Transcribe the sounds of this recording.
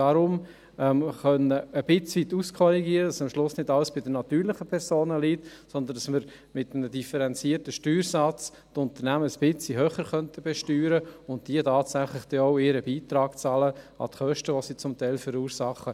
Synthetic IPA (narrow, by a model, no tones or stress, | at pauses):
d̥ɑɾʊm | ɛmχœnəːb̥ɪt͡sʋit̪uskʰχɔɾiɡiːəɾədɑsɑmʃlʊsnɪdɑləsb̥ɪdənɑt̪yːɾlɪχəpʰɛɾsoːnəlitsɔnd̪ən̩dɑsməɾ | mɪtənədifəɾɛnt͡siəɾtəʃtyːɾsɑt͡s | tʊnt̪əɾnæməəsb̥ɪt͡siɦøːχəɾχœntəbɛʃtyːɾəʊnt̚d̥iətɑːtsæχlɪχd̥ɛɔʊɪːɾəbiːt̪ɾɑːɡt͡sɑːlə | ɑ̰tχœʃtəʋosit͡sʊmtæɪlfəɾuːɾsɑχːə